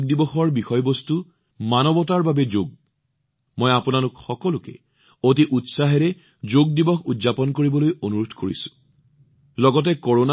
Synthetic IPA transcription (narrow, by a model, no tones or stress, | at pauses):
ɡ̚dibɔxɔɹbixɔjbɔstu | manɔbɔtaɹbabɛd͡ʒoɡ̚ | mɔjapunalʊkxɔkɔlʊkɛ̰ | ot̬iʔutsaɦɛɹɛ | d͡ʒoɡ̚dibɔxudzapɔnkoɹibɔlojonuɹudʰʱkoɹḭsʊ̥̃ | lɔɡɔt̬ɛkɔɹona